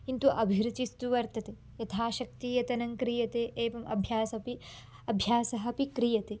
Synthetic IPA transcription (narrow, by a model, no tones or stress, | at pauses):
int̪uʔɐbʱiɾut͡ʃist̪uʋɐɾt̪ɐt̪e | jɐt̪ʰaːʃɐk̚t̪iːjɐt̪ɐnɐŋkɾijɐt̪eːʔeːʋɐmʔɐ̰bʱjaːsɐpi | ɐbʱjaːsɐɦɐ̆pikɾijɐt̪eː